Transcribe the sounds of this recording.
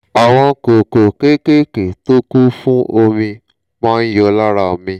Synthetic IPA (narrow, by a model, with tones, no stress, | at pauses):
a˨w̃ɔ̃˧˨ko˨ko˨ke˦ke˦ke˨to˦ku˦fũ˦o˧mĩ˧ | mɔ̃˦jo˧˦la˦ɾa˧o˧˨mĩ˧